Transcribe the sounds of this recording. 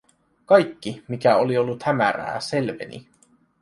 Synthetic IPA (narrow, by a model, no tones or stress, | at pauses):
kɑjkːimikæo̞lio̞lːut̪hæmæ̰ɾæ̰ːse̞lʋe̞̰nḭ